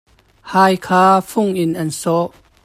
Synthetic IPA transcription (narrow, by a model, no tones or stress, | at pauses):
haːjkʰaːfʊŋʔɪnʔɐnsɔʔ